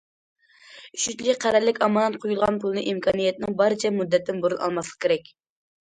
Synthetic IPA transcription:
yʃyt̪lʲiqʰæɾɛɾlɪkʲɑmɑnɑnqʰojulˠʁɑnpʰulˠɨnɨʔimkʰɑnijɛt̪nɪŋbɑɾɨt͡ʃʰɛmud̪ːɛt̪ʰːɪnboɾunʔɑ̰lˠmɑslˠəq̚kʲʰeɾɛk̚ʲ

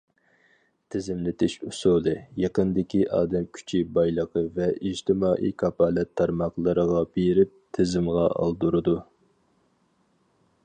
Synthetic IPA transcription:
t̪ʰɪzɪmlɪt̪ʰɪʃusud̪ɨjɑqənd̪ɪkʲiʔɑːd̪ɛmkʲʰy̥t͡ʃʰibɑjlˠəqʰəvɛid͡ʒt̪ʰɪmɑːʔḭkʰɑpɑːlɛt̪ʰːɑɾmɑqlˠəɾəʁɑbeɾɪp̚t̪ʰɪzɪmʁɑɑ̰lˠd̪uɾɨd̪u

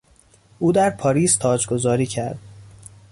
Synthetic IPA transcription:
ʔuːd̪æɾpʰɒːɾiːst̪ʰɒːd͡ʒɡo̞zɒːɾiːcʰæɾd̪̥

